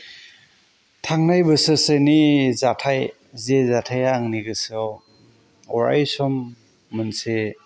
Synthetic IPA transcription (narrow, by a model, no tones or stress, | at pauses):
tʰaŋnajbɯsɯsenizatʰaj | zezatʰajaːŋniɡɯs | ɔɾa̰jsɔmː | ɯnse